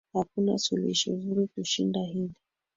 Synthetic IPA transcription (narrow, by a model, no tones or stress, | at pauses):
hakuna̰sulḭʃɔvuɾikuʃindahivi